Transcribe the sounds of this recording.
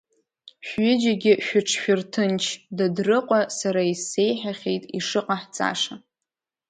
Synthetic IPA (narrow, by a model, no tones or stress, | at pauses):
ʃʏd͡ʒaɡʲɪʃᶣʊʈ͡ʂʰʃᶣʊrtʰɨnt͡ʃʰdadrɨqʷʼasaɾaise̞jħaχʲejtʼiʂɨqʼaħt͡sʼa̰ʂa